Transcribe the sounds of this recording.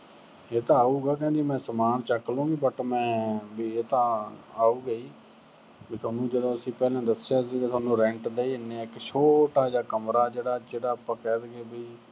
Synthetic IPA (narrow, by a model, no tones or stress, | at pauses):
eːt̪ãːaːuːɡaːk̬ɛ̃ːd̪iːmɛ̃ːsəmaːnt͡ʃəklõːɡiːbəʈmɛ̃ːbiːeːt̪ãːaːuːɡəiː | biːt̪ʰaːnũːd͡ʒəd̪õːəsĩːpɛːlãːd̪əsejaːsiːkːt̪ʰaːnũːɾɛ̃ɳʈd̪eːiːɪnːeːɪkʃʰoːʈaːd͡ʒaːkəmɾaːd͡ʒeːɽaːt͡ʃeːɽaːpːãːkɛːd̪ɡeːbiː